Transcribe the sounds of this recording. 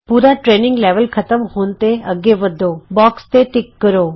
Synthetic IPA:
puːɾaʈɾeːnɪ̃ŋɡleːʋəlkʰət̪əmhoːnt̪eəɡeʋəd̪ʱobɔːkst̪eʈɪkːəɾoː

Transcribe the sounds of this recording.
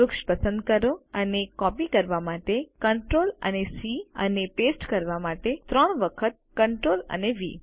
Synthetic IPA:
ʊkʃpəsə̃nd̪̚kəɾoənekɔpikəɾʋamaʈekəɳʈɾolə̰nesiə̰nepesʈkəɾʋamaʈet̪ɾəɳʋəkʰət̪̚kəɳʈɾolə̰neʋḭ

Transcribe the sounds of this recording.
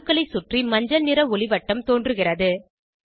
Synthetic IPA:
kːɐɭɐɪsʊʈrimɐɲd͡ʒɐnɪɾɐʊɭɪʋɐʈːɐmt̪oːndrɯɣɪrɐðɯ

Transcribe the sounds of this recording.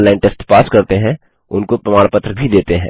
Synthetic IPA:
lːaːɪ̃nʈeːsʈpaːskɐɾt̪eɦɛ̃ | ʊnkopɾɐmaːɽ̃pət̪ɾbʱid̪eːt̪eɦɛ̰̃ː

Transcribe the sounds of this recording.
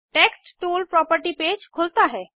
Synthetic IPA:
ʈɛksʈʈulpɾɔpəɾʈiped͡ʑkʰolt̪aɦɛ

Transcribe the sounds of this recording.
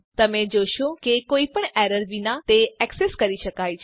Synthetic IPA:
t̪əmẽd͡ʒoʃokekoːipəɳɛɾəɾʋinat̪eɛkseskəɾiʃəkaːjt͡ʃʰ

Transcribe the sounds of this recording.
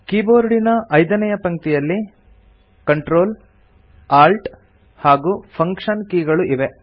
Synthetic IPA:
kiːboːɾɽinɐʔɐjd̪ɐnɐjɐpɐŋt̪ijɐlːi | kɐɳʈɾoːl | aːlʈ | haːɡupʰɐŋkʂɐnkiːɡɐɭuʔiʋe̞

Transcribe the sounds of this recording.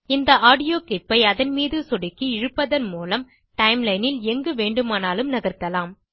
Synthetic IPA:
ɪnd̪ɐʔaːɽɪjoːkɪpːɐɪɐðɐnmiːðɯsɔɽɪkːiɪɻɯpːɐðɐnmuːlɐm | ʈɐɪmlɐɪnɪlɛŋɡɯʋeːɳɖɯmaːnaːlɯmnɐɣɐɾt̪ɐlaːm

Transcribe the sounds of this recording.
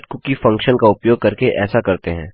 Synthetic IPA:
kʊkifɐ̃ŋkʃənkaʊpjoːɡ̚kɐɾkeʔɛːsakɐɾt̪eɦɛ̰̃ː

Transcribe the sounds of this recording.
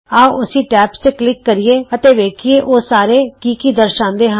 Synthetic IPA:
aːʊsiːʈɛːpst̪eːklɪkːəɾɪjeːət̪eːʋeːkʰieːʔoːsaːɾeːkiːkiːd̪əɾʃãːnd̪eːɦə̃

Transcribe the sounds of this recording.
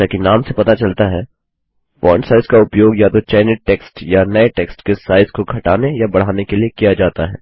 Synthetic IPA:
akinaːmsepɐt̪at͡ʃɐlt̪aɦɛː | fɔ̰ːɾɳsaːɪzkaʊpjoːɡjat̪ot͡ʃaːɪnɪʈeːksʈjanɐeʈeːksʈkesaːɪzkoɡʱɐʈaːnejabɐɽ̤aːnekeliekijad͡ʒaːt̪aɦɛ̰ː

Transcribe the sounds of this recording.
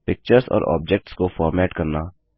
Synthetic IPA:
pɪk̚t͡ʃəɾzɔ̰ːɾʔɔ̰ːbd͡ʒɛk̚ʈskofɔːɾmeːʈkɐɾnaː

